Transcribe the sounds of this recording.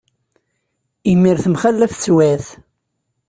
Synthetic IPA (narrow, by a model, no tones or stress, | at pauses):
imːiɾθəmχælːæft͡sːwæθ